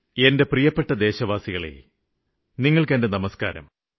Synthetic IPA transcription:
e̞nde̞prijɐpːe̞ʈːɐd̪e̞ːɕɐʋaːsiɣɐɭḛ | niŋːɐɭkende̞nɐmɐska̰ːɾɐ̰m

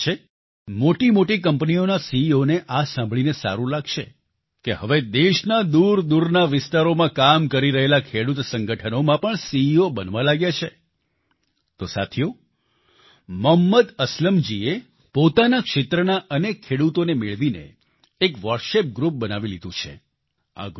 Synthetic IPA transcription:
e | moʈimoʈik̬əmpnionasiːoneʔasãmbʱɭinesa̰ɾũlaɡʃḛ | keɦəʋed̪eʃnad̪uɾd̪uɾnaʋɪst̪aɾomãkamkəɾiɾəɦelakʰeɽut̪sə̃ŋɡəʈʰənomãpəɳsiiobənʋãlaɡjat͡ʃʰe | t̪osa̰t̪ʰijo | məɦmːəd̪əsləmd͡ʒie | pot̪anakʃet̪ɾənaʔənekʰːeɽut̪onemeɭʋinḛː | kʋəɾʃep̚ɡɾup̚bənaʋilid̪ũt͡ʃʰḛ | a̰ɡ

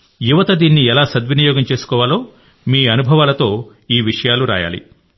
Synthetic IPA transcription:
juʋɐt̪ɐd̪iːnːiɛlaːsɐd̪ʋinijɔːɡɐmt͡ʃe̞ːsu̥kɔːʋaːloː | miːɐnubʱɐʋaːlɐt̪o̞ː | iːʋiʂɐjaːluɾa̰ːja̰ːlḭ

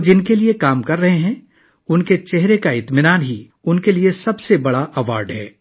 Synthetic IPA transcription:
d͡ʒɪnkeliekaːmkɐɾːɐɦeɦɛ̃ː | ʊnket͡ʃɛɦɾekaɪt̪mɪnaːnɦi | ʊnkeliesɐbsebɐɽaʔɐʋaːɾɖɦɛː

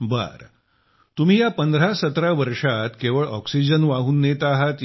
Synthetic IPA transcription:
ba̰ɾ | t̪um̤iːjapənd̪ʱɾasət̪ɾaʋəɾʂat̪keʋəɭʔɔksid͡ʑənʋaɦuːnːet̪aɦat̪

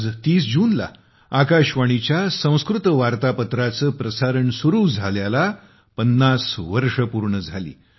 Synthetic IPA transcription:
d͡zt̪iːsd͡ʑuːnla̰ | akaɕʋaɽ̃it͡ɕjasə̃w̃skɾut̪ʋaɾt̪apət̪ɾat͡səːpɾəsaɾəɳsuɾuːd͡zʱaljala | pənːasʋəɾʂəpuɾɳəd͡zʱalḭː

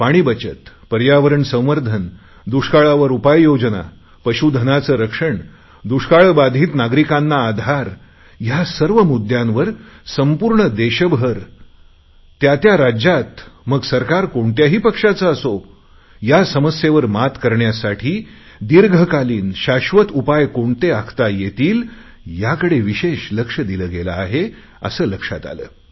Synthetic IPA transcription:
paɽ̃iːbət͡ɕət̪ | pəɾjaʋəɾəɳsə̃w̃ʋəɾd̪ʱən | d̪uʂkaɭaʋəɾupajːod͡ʑəna̰ | pəɕud̪ʱənat͡səːɾəkʂəɳ | d̪uʂkaɭbad̪ʱiːt̪naɡɾikãnːaːd̪ʱaɾ | jasəɾʋəmud̪jãmʋəɾsəmpuɾɳəd̪eɕəbʱəɾ | t̪jat̪jaɾad͡ʑjat̪məɡsəɾkaɾkoɳt̪jaɦiːpəkʂat͡səəso | jasəməsjeʋəɾmat̪kəɾɳjasaʈʰiː | d̪iɾɡʱəkaliːnɕaɕʋət̪upajkoɳt̪eakʰt̪ajet̪iːl | jakəɽeʋiɕeɕləkʂəd̪iləːɡela̰ːɦe | ə̰səːləkʂa̰t̪a̰lə̰ː

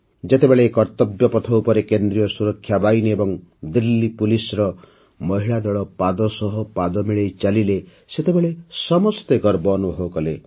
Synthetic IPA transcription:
d͡ʒet̪ebeɭeːkɔɾt̪ɔbjɔpɔt̪ʰɔupɔɾekend̪ɾijɔsuɾɔkʰːjabajniebɔŋd̪ilːipulisɾɔ | mɔɦiɭad̪ɔɭɔpad̪ɔsɔɦɔpad̪ɔmiɭejt͡ʃalile | set̪ebeɭesɔmɔst̪eɡɔɾbɔːnuɦokɔle

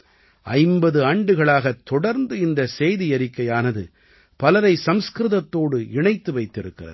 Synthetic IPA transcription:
ʔɐɪmbɐðɯaːɳɖɯɣɐɭaːɣɐt̪ːɔɽɐɾnd̪ɯɪnd̪ɐsɛjðijɐɾɪkːɐjaːnɐðɯ | pɐlɐɾɐɪsɐmskɾɯðɐt̪ːoːɽɯɪɳɐɪt̪ːɯʋɐɪt̪ːɪɾɯkːɪrɐ̰ðɯ

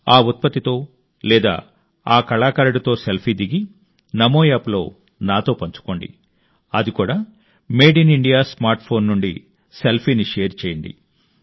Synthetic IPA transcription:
aːut̪̚pɐt̪it̪o̞ː | lɛːd̪a̰ː | aːkɐɭaːkɐɾɐɽut̪o̞ːselpʰiːd̪iɡi | nɐmoːjaːplo̞̰ː | naːt̪o̞ːpɐɲt͡ʃu̥ko̞ɳɖḭ | ɐd̪ikuːɽaː | meːɖiniɳɖijaːsmaːɾʈpʰo̞ːnːuɳɖḭ | selpʰiːniʂeːɾt͡ʃeːjind̪ḭ

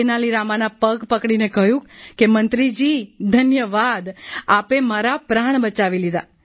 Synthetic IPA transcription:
naliɾamanapəɡpəkɽinekəjũkemənt̪ɾid͡ʒid̪ʱənjəʋad̪apemaɾapɾaɳ̃bət͡ʃaʋilid̪a̰

